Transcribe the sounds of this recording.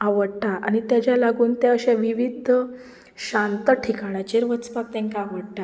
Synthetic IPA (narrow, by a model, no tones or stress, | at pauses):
aʋəɽʈaʔaɽ̃it̪jad͡ʑjalaɡuːnt̪eəɕẽʋiʋid̪ʱ | ɕant̪əʈʰikaɽ̃at͡ɕeɾʋət͡spak̚t̪ãŋkaːʋəɽʈ̪a